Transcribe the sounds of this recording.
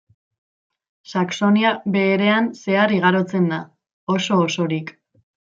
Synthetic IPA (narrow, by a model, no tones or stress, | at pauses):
sakso̞niabe̞ːɾe̞anse̞ariɣ̞aɾo̞t͡se̞nd̪a | o̞so̞ːso̞ɾik